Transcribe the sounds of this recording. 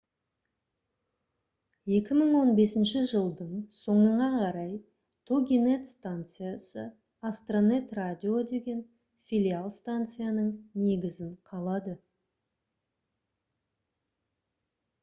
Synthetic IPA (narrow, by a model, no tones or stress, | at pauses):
je̞kʲɪməɴwo̞nbe̞sɪnʃɪʒəlˠd̪əɴso̞ɴəɴɑqʰɑɾɑj | t̪ʰoɡʲine̞t̪st̪ant̪sɨjasə | ast̪ronet̪radʲio̞d̪e̞ɡʲe̞n | fʲilʲialˠst̪ant̪sɨjanəɴne̞ɡʲɪzɪɴqʰɑlˠɑd̪ə